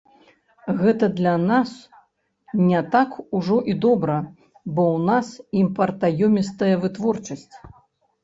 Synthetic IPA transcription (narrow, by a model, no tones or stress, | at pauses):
ɣɛt̪ɐd̪lʲanas | nʲɛt̪akuʐɔʔid̪ɔbɾɐ | bɔwnasimpɐrt̪ajɔmʲist̪ɐjɐvɨt̪vɔrt͡ʂɐsʲt͡sʲ